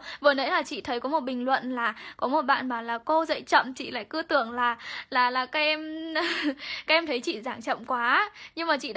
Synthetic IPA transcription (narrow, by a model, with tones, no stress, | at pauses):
vəː˨˩nə̰˧˦˥jlaː˨˩t͡ɕḭ˧˨t̪ʰə˨˦jkɔ˨˦mo˨˩t̚ɓï˨˩ŋ̟lwə̰˧˨nlaː˨˩kɔ˨˦mo˨˩t̚ɓa̰ː˧˨nmaː˨˩laː˨˩ko˧zə̰˧˨jt͡ɕə̰˧˨mt͡ɕḭ˧˨la̰ː˧˨jkɨ˧˦ət̪ɨ˧˩əŋlaː˨˩laː˨˩laː˨˩kaː˨˦kʔɛ˧m | kaː˦˥kʔɛ˧mt̪ʰə˨˦jt͡ɕḭ˧˨zaː˧˩ŋt͡ɕə̰˧˨mkwaː˨˦ɲɨ˧ŋmaː˨˩t͡ɕḭ˧˨ɗ